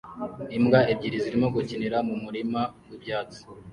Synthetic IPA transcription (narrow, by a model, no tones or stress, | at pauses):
imɡaebɟiɾiziɾimoɡuciniɾamumuɾimawibɟaːt͡si̥